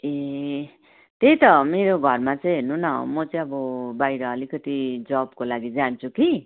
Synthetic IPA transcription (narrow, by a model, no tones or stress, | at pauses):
e | t̪ejt̪ʌmeɾoɡʱʌrmat͡sʌj̃ɦernunʌmʌt͡sʌĩʌbʌbajɾʌːlikʌt̪id͡zʌbkolaɡid͡zant͡sʰuki